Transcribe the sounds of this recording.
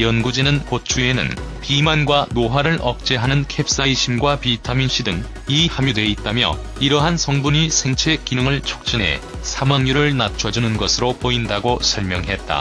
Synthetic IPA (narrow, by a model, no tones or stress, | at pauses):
jʌnɡud͡ʑinɯnkot͡ɕʰue̞nɯ̰n | pimanɡwanoɦaɾɯɭʔʌk̚t͡ɕ͈e̞ɦanɯnkʰep̚s͈aiɕʰimɡwapitʰaminɕʰidɯŋ | ihamjudwe̞it̚t͈amjʌ̰ | iɾʌɦansʰʌŋbuɲisʰe̞ŋt͡ɕʰek͈inɯŋɯɭt͡ɕʰo̥k̚t͡ɕ͈inɦe̞̰sʰamaŋɲuɾɯɭnat͡ɕʰʌd͡ʑunɯnɡʌsʰɯɾopoindaɡosʰʌɭmjʌŋɦe̞t̚t͈a̰